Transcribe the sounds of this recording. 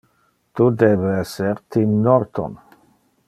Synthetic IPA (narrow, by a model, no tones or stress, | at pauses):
t̪ud̪eːbeɛseɾt̪imnɔɾt̪o̰n